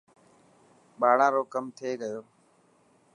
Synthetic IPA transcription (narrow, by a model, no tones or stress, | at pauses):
ɓaːɽãːɾoːkəmt̪ʰeːɡəjoː